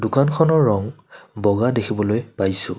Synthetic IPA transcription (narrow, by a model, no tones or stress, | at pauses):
dʊkankʰɔnɔɹːɔŋ | bɔɡadekʰibɔlojpajsʊ̃